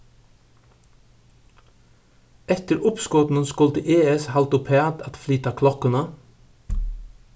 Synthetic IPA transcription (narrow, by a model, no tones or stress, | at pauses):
ɛt̪əɾʊpskɔt̪n̩nskʊlt̪əʔeːɛshɑlt̪ʊpʰæːd̪ɑt̪flyːt̪ɑkʰlɔkənə